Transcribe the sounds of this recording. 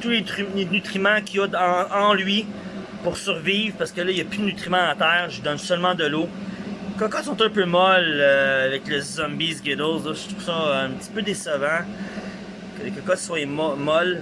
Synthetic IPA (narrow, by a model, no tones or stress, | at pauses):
t̪ulet̪ylenyt̪χimãkʰʲiɔɑ̃ɑ̃lɥi | puʁsyʁviːvʁpaʁsə̥kəlʌijɐpyd̪ənyt̪χimãːt̪ɛːʁʒəd̪ɔnsœlmãd̪əlo | kɔkɔt̪sɔ̃t̪ɛ̃pømɔløavɛklezɔ̃mbizɡed̪əlzlɔʃy̥t̪ʁuv̥sɔɛ̃p̚tt͡si̥pød̪esavã | kəkɔkɔt̪swamɔmɔl